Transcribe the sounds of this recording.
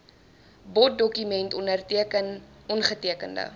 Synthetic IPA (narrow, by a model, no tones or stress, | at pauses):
bɔt̚dɔkymɛntɔndərtiəkən | ɔnχətiəkəndə̰